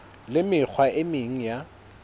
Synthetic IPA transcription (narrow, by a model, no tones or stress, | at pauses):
lɪmɪk͡xʰwaɪmɪŋ̩ja